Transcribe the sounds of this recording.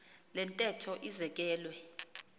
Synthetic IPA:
lɛntʼɛtʰɔʔizɛk̬ʼɛːlwɛ

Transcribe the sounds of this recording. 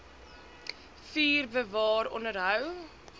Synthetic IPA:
fiːrbəvɑːɾɔ̰nəɾɦəw

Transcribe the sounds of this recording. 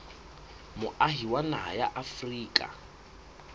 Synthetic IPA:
mʊʔaɦiwanaa̰jaʔafriːkʼa̰

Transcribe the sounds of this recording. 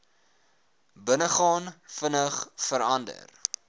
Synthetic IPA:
bənəχɑːnfənəχfəɾɐndə̰r

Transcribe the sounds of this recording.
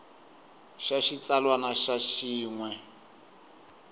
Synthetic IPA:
ʃaʃit͡salwanaʃaʃiːŋwɛ

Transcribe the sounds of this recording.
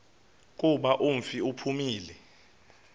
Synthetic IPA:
k̬ʼuɓaʔum̩fiupʰumiːlɛ

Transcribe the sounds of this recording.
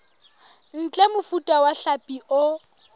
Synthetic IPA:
n̩t͡ɬʼɛmʊfutʼawaɬapʼiʔʊ

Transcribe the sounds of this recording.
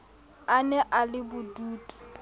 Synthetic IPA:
anɛʔalɪbʊduːtʼu̥

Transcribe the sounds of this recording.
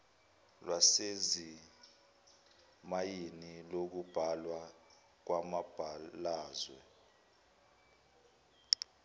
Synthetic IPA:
lwasezi | majinilok̬ub̥ʱalwa | k̬wamab̥ʱalaːzwɛ̰

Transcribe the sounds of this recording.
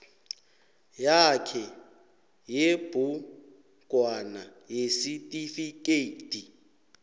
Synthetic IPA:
jakʰɛ | jebʊ | kʼwanajesitʼifikʼeitʼi

